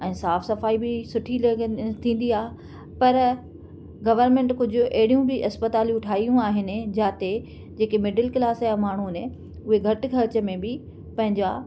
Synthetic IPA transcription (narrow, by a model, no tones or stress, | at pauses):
ɛ̃ːsaːfsɐfaːibɪsʊʈʰilɐt̪ʰĩːn̆d̪iaːɦe | pɐɾ | ɡɐʋəɾmẽːɳʈkʊd͡ʑʱʊʔɐɦɪɽijũbɪʔɐspət̪aːlijũʊʈʰaːijũaːɦɪnɪ̆d͡ʑaːt̪e | d͡ʑeːkemɪɖəlkɪlaːsjãmaːɳ̤une | ʊɦeɡʱɐʈ̆kʰɐɾt͡ɕə̆mẽbɪ | pɐ̃ɦɪ̃ɲd͡ʑa